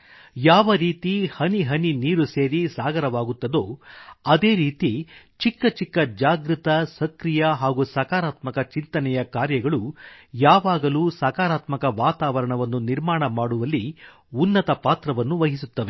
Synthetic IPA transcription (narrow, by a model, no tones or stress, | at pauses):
jaːʋɐɾiːt̪ihɐniɦɐniniːɾuseːɾisaːɡɐɾɐʋaːɡut̪ːɐd̪o̞ːɐd̪e̞ːɾiːt̪it͡ʃikːɐt͡ʃikːɐd͡ʒaːɡɾit̪ɐsɐkɾijɐɦaːɡusɐkaːɾaːt̪mɐkɐt͡ʃint̪ɐnɛjɐkaːɾjɐɡɐɭujaːʋaːɡɐluːsɐkaːɾaːt̪mɐkɐʋaːt̪aːʋɐɾɐɳɐʋɐnːuniɾmaːɳɐmaːɽuʋɐlːi | unːɐt̪ɐpaːt̪ɾɐʋɐnːuʋɐɦisut̪ːɐʋe